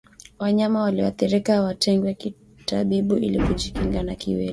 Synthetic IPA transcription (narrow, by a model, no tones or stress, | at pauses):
waɲamawaliwa̰θiɾikawatʰɛŋɡwɛki | taɓiɓuḭlikuʄikiŋɡanakḭwɛ̰li